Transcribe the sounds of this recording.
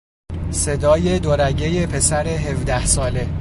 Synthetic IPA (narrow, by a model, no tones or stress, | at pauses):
se̞d̪ɒːje̞d̪oɾæɟe̞je̞pʰe̞sæɾeɦevd̪æhsɒːle̞